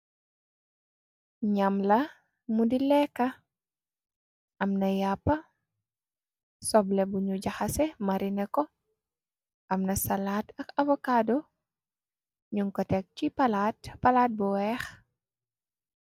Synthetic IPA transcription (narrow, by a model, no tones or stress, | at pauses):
ɲamlɐ | mudilɛkːɐ | ʔɐmnɐjapːɐ | sɔblɛbuɲuɟaxasɛmɐɾinɐkɔ | ʔɐmnɐsalaːtɐkɐvɔkaːdɔ | ɲuŋkɔtɛk̚t͡ʃipalaːtpɐlaːt̚bɔwɛːx